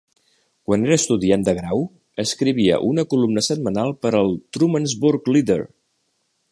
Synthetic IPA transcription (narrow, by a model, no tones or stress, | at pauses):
kwaneɾəst̪uðiand̪əɣɾaw | əskɾiβ̞iə̰ʔunəkulumnəsət̪̚mənalˠpəɾəlˠt̪ɾumənzbuɾkliðə̰ɾ